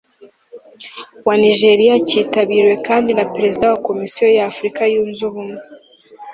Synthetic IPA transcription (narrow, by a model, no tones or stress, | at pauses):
waniʒe̞ɾijaciːtaβiːɾwe̞kaːndinapɾe̞zidawako̞misijo̞jafɾikajuːnzuβume